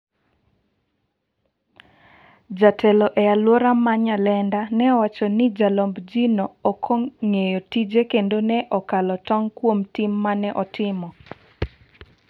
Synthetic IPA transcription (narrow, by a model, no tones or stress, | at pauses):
d͡ʒatʰɛlɔʔɛalwɔɾamaɲalɛndanɛɔwat͡ʃɔnɪd͡ʒalombd͡ʒinoːkʰoŋejɔtid͡ʒekendonɛʔɔkalɔtɔŋkwomtimːanɛʔɔtɪmɔ